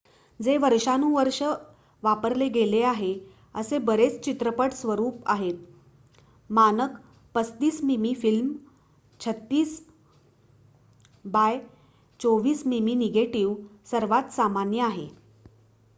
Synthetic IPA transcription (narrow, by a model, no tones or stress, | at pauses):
d͡zeʋəɾʂanũʋəɾʂə | ʋapəɾleɡeleaɦe | əsebəɾet͡st͡ɕit̪ɾəpəʈsʋəɾuːpaɦet̪̚ | manək | pət͡st̪iːsmimifilm | t͡ɕʰət̪ːiːs | baj | t͡soʋiːsmiminiɡeʈiʋsəɾʋat̪samanjəaɦe